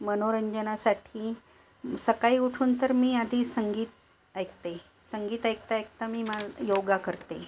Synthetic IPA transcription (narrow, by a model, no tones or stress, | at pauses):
mənoɾəɲd͡ʑənasaʈʰiː | səkaiuʈʰuːnt̪əɾmiːad̪ʱisəŋɡiːt̪̚ | ajk̚t̪e | səŋɡiːt̪ajk̚t̪ajk̚t̪amiːmajoɡakəɾt̪e